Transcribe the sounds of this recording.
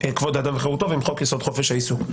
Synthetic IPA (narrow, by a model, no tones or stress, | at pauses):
ekvod̪ad̪amveχeʁut̪ovimχokjasod̪χofeʃaisuk